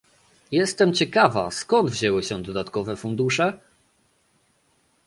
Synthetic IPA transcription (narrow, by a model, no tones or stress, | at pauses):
jɛst̪ɛmt͡ɕɛkava̰skɔnd̪vʑɛwɘɕɛd̪ɔd̪at̪kɔvɛfund̪uʂɛ